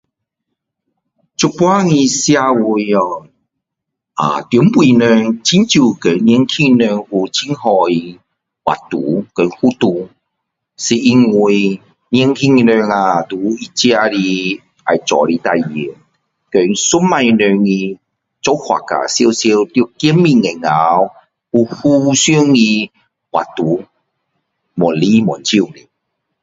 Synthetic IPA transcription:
t͡ɕu˧pwa˦ŋĩ˧sja˧wu˧jɔ˨˩ | a̰˨˩t̪ju˨˦mpwi˧˨nə˧ŋt͡ɕʰi˦˥nt͡ɕju˧˩kə˨˦n˧˦ŋkʰi˥˧ŋnə˧ŋu˧t͡ɕʰi˦ŋhɔ˧i˧ | wa̰˨˩t̪u˨˦kə˨˦ŋhu˦t̪u˧ | si˧ʔi˧ŋi˧j | n˧˦ŋkʰi˧ŋi˧nø˧ŋa˨˩t̪u˨˦i˧t͡ɕja˧ɾi˧ | a˨˩jt͡sɔ̰˨˩ɾi˧t̪a˧jbi˨˦ | kə˨˧˦su˦ma˧i˧nø˧ŋi˧ | t͡sɔ˧˦whwa̰˨ka̰˨sje˧wsji˧wt̪jo˧ki˦mːi˧ŋe˨ŋa˨˦w | u˧hu˦sju˦ŋi˧ | hwa̰˨t̪u˨˦ | mɔ˨˩˨nli˦m˨ɔ˨˩nt͡ɕi˧˨ni˨˩

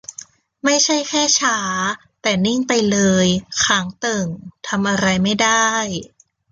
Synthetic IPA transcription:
ma˥˩jt͡ɕʰa˥˩jkʰɛː˥˩t͡ɕʰaː˦ | t̪ɛː˨˩ni˥˩ŋpa˧jlɤː˧jkʰaː˩˦ŋt̪ɤ˨˩ŋt̪ʰa˧mʔa˧ɾa˧jma˥˩jdaː˥˩j

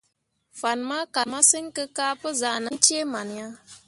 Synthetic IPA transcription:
fa˨nma˦ka˨ma˦sɨ˦ŋ˦kɨ˦kaː˦pɨ˦za˨nɨ˦n˦t͡ʃe˦ma˨n˨ja˦

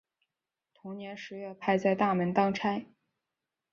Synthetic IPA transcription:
t̪ʰʊ˧˥ŋnjɛ˧˥nʂɻ̩˧˥ɥɛ˥˧pʰa˥˧ɪt͡sa˥˧ɪt̪a˥˩mə˧˥nt̪ɑ˥ŋʈ͡ʂʰa˥ɪ

